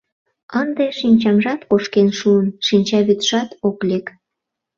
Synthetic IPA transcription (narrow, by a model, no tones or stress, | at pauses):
ənd̪eʃinʲt͡ɕɑmʒɑt̪koʃkenʃuənʃinʲt͡ɕɑβyt̪ʒɑt̪oklek